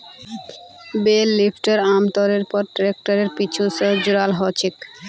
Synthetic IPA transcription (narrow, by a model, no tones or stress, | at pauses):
belːipʰʈeɾamt̪ɔɾeɾpɔɾʈɾek̚ʈaɾeɾpit͡ɕʰusəd͡ʑuɾalɦɔt͡ɕʰik